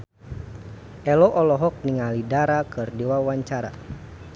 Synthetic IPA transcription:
ʔɛlɔʔɔlɔɦɔk̚niŋalidaɾakɨrdiwawaɲt͡ʃaɾa̰

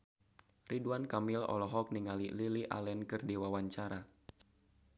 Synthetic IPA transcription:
riduankamilɔ̰lɔɦɔk̚niŋalililiʔa̰lɛnkɨrdiwawaɲt͡ʃaɾa

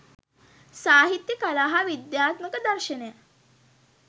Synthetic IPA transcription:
saːɦit̪jəkalaːɦaʋid̪jaːt̪məkəd̪ɐɾʃəneja

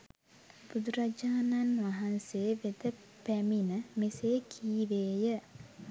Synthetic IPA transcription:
b̥ud̪uɾad͡ʒaːnanʋaɦanseːʋed̪ə | pæminəmeseːkʰiːʋeːjə

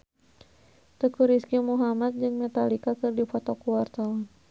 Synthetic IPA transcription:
t̪əkuɾiskumuɦamat̪̚d͡ʒɨŋmɛt̪alikakɨrdipɔt̪ɔkuwart̪awan

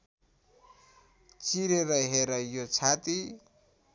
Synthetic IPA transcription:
t͡siɾeɾʌɦeɾʌjot͡sʰat̪i

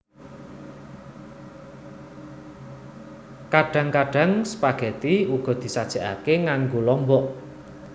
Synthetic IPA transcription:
kaɖ̥ä̤ŋkaɖ̥ä̤ŋsə̥paɡ̥ɛ̤t̪iuɡ̥ɔ̤d̪̥i̤sad̥ʒ̥a̤ʔa̰keŋaŋɡolɔmbɔʔ

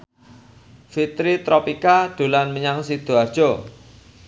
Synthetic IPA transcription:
fit̪ɾit̪ɾɔpikad̪̥ṳlanməɲaŋsid̪̥o̤ard̥ʒ̥o

